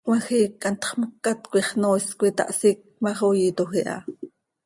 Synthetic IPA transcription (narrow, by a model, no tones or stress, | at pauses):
mɑxikːɑnt̪χməkːat̪kʷiχnoːskʷit̪ɑ̰ʔsik̚mɑχojit̪oxiʔɑ̰